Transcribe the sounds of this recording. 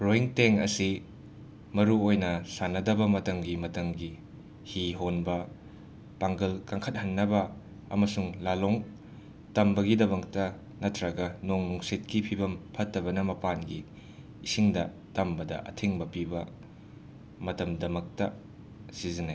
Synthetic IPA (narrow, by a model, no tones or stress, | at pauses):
ɾoiŋteŋɐ̰si | mɐɾuojnɐsanɐdɐbɐmɐtɐŋɡimɐtɐŋɡi | hiɦonbɐ | paŋɡɐlkaŋkʰɐt̚hɐnːɐbɐ | ɐ̰mɐsuŋlaloŋ | tɐmbɐɡidɐbɐktɐ | nɐtʰɾɐɡɐnoŋnuŋset̚kipʰibɐmpʰɐtːɐbɐnɐmɐpanɡiː | siŋdɐ̰ | tɐmbɐdɐ̰ʔɐ̰tʰeŋbɐpibɐ | mɐtɐmdɐmɐk̚tɐ | sizinaj